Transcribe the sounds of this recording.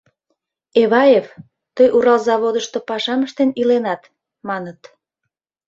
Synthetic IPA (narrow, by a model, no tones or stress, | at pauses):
eβɑjef | t̪əjʔuɾɑlzɑβod̪əʃt̪opɑʃɑməʃt̪enilenɑt̪ | mɑnət̪